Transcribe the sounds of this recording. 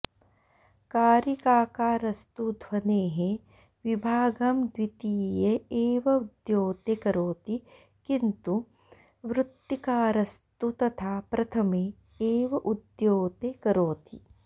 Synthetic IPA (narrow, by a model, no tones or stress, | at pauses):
kaːɾikaːkaːɾɐst̪ud̪ʱwɐneːɦẽ | ʋibʱaːɡɐmd̪wit̪iːjeeːʋɐud̪joːt̪ekɐɾoːt̪i | kint̪u | ʋɾʊt̪jikaːɾɐst̪ut̪ɐt̪ʰaːpɾɐt̪ʰɐme | eːʋɐʔud̪joːt̪ekɐɾoːt̪i